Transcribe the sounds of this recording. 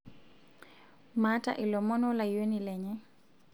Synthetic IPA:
mata̰ʔilɔmɔnɔlajonilɛɲɛ

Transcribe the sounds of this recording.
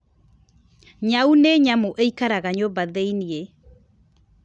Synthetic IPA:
ɲauneɲamoʔeikaɾaɣaɲobaðeinie

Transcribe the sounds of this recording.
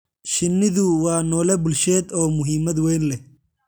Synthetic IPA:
ʃɪnːɪðʊwɑːnɔːlɛbʊlʃɛːd̪ɔːmʊɦimɐd̪wɛjnlɛ

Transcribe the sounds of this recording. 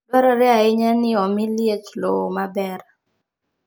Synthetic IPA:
bɛɾɔɾɛaɪɲɛnɪɔmɪljet͡ʃlomabɛɾ

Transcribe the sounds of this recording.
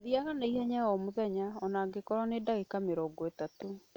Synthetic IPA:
ðiaɣanaiɦɛɲaɔmoðɛɲaɔnaːɡekɔɾɔnedaɣekameɾɔɡɔetato

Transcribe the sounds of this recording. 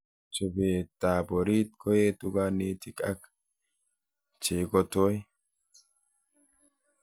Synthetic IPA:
t͡ʃɔbeːt̪ːaːbɔɾiːt̪̚kʰɔjeːt̪ʊɡaneːt̪ɪkʼɐk | t͡ʃeːɡɔt̪oj

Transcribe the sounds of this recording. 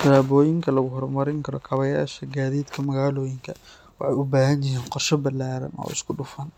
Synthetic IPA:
ɐɾaːbɔːjɪŋkʰɐlɐɣʊɦɔɾmɐɾɪŋkʰɐɾɔkʰɐβɐjaːʃɐɡaːðiːd̪kʰɐmɐɣaːlɔːjɪŋkʰɐ | wɑħɑjʊbaːɦɐnjɪɦiːnqɔrʃɔbɐlːaːɾɐ̰nʔɔ̰ːʔɪ̰skʰʊɖʊfɐn

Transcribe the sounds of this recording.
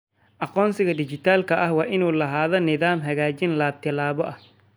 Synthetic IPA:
ʔɑqɔːnsɪɣɐd̪ɪt͡ʃɪt̪ʰaːlkʰɐʔɐhwɑːʔɪnuːlɐɦaːðɔnɪðaːmɦɐɣaːt͡ʃɪnlaːb̚t̪ʰɪlaːβɔʔɐh

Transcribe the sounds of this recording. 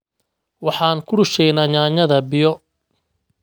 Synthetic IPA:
wɑħɑːnkʰʊɽʊʃɛjnaːɲaːɲɐðɐbɪjɔ

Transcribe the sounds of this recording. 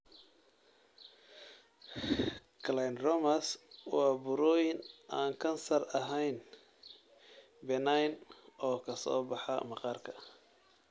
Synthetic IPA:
kʰlajnrɔmɐswɑːbʊɾɔːjɪnʔaːŋkʰɐnsɐrɐɦɛjn | bɛnajnʔɔːkʰɐsɔ̰ːbɑħɑ̰mɑqɑːrkʰɐ̥

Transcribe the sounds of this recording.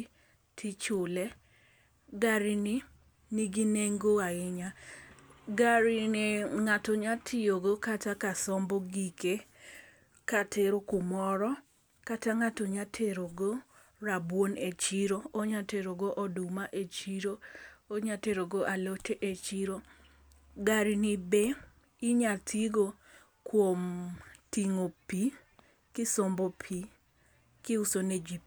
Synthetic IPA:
tʰit͡ʃʊlɛ | ɡaɾɪni | niɡineŋɡoaɪɲa | ɡaɾɪeŋatoɲatʰɪoɡokatakasɔmbɔɡike | katʰeɾokʊmɔɾɔ | kataŋatoɲatʰeɾoɡo | ɾabwonet͡ʃiɾooɲateɾoɡoʔɔdumaʔet͡ʃiɾooɲateɾoɡoʔalotʰeʔet͡ʃiɾo | ɡaɾnɪbe | ɪɲatʰiɡo | kwomtiŋopi | kɪsombopʰi | kɪusoned͡ʒip

